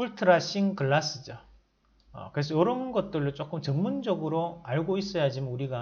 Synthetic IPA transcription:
uɭtʰɯɾaɕ͈ʰiŋkɯɭːas͈ɯd͡ʑa | ʌ̰kɯɾe̞s̬ʰʌjʌɾʌnɡʌt̚t͈ɯɭdot͡ɕ͈ok͈ɯmt͡ɕʌŋmund͡ʑʌɡɯɾoaɭɡois͈ʌjad͡ʑimanuɾiɡa

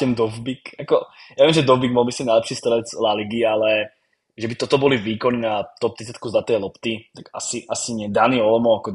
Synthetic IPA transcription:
ɛmd̪ɔvbikjakɔjaːvɛimʒɛd̪ɔvbiɡmɔlmislimnajlɛpʃiːst̪ɛlɛt͡slaliɡialɛ | ʒɛbit̪ɔt̪ɔbɔliviːkɔninat̪ɔp̚t̪it͡sɛt̪kuzlat̪ɛːjlɔpt̪it̪aka̰siʔasiɲɪɛd̪aniɔlɔmɔakɔ

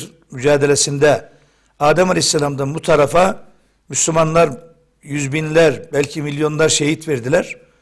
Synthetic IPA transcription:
myd͡ʒaːd̪elʲesind̪ɛ | aːd̪ɛmalʲejisːelʲamd̪anbut̪ʰaɾafa | myslʲymanlˠaɾ | jyzbinlʲæɾbælʲcʰimilʲjo̞nlˠaɾʃeɦit̪vɛɾd̪ilʲæɾ̥

